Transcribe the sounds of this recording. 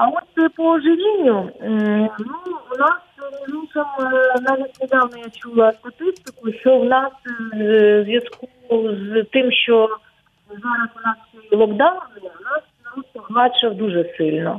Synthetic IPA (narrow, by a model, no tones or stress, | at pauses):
ɐɔt̪pɔɔʐɪʋʲinʲːʊ | nuwnɑsmʲiʒuk̪ɐmnɑʋʲitʲned̪ɑwnɔjat͡ʃulˠɐst̪ɐt̪ɪst̪ɪkʊʃt͡ʃɔwnɑs | zʲʋjɐskuzt̪ɪmʃt͡ʃɔ | zaɾɐsʊnɑsɔjilˠɔɡd̪ɑnbɪlˠɔwnɑs | ɔt̪̚pɔɦˠɑt͡ʃɐwd̪uʐɛsɪlʲnɔ̰